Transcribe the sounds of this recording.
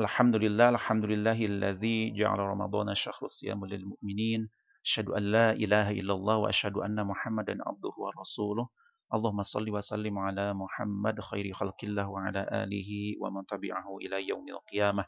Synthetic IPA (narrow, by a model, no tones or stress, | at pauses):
ʔalħamd̪ʊlɪlːaːʔalħamd̪ʊlɪlːaːhalːaðiːd͡ʒa̰ʕa̰laɾˤɑmɑ̰d̪ˤɑːnʔaʃːaxɾˤsˤːɨja̰ːmlɪlmʊʔmɪniːn | ʔʔaʃhad̪ʊʔanːaːʔɪlaːhaʔɪ̰lːalˤːɑːhwa̰ʔaʃhad̪ʊʔanːamʊħamːad̪anʕa̰b̚d̪ʊhʊwɑɾˤɑsuːlʊh | ʔɑlˤːɑːhʊmːɑsˤɑ̰lːiːwaʔsˤalːɪmʕalaːmʊħamːad̪xa̰jɾɪxalqɪlːaːhwaʕalaːʔa̰ːlɪɦɪwa̰mant̪abɪ̰ʕahʊʔɪlaːjawma̰lqɨjaːma